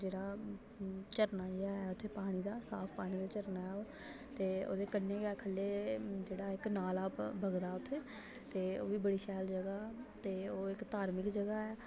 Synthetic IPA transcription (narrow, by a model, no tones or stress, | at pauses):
d͡ʒeːɽaː | t͡ʃəɾnaːiaːɛːʊt̪ʰːeːpaːɽ̃iːd̪aːsaːpʰpaːɽ̃iːd̪aːt͡ʃəɾnaːɛːoː | t̪eːo̰ːd̪eːkənnẽːɡɛːkʰəlːeːd͡ʒeːɽaːɪknaːlaːbʱəɡd̪aːʊt̪ʰːeː | t̪eːoːʋiːbəɽiːʃɛːld͡ʒəɡaːt̪eːoːɪkt̪aːɾmɪkd͡ʒəɡaːɛː